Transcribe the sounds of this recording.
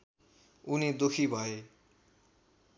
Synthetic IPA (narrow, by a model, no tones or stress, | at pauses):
unid̪okʰibʱʌe